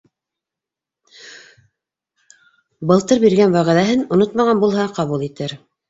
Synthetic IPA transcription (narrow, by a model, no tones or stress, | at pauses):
bɤ̆lˠt̪ɤɾbiɾɡænwæʁæðæɦɘnŏnot̪mɑʁɑnbulˠhɑqɑβulˠit̪ɘɾ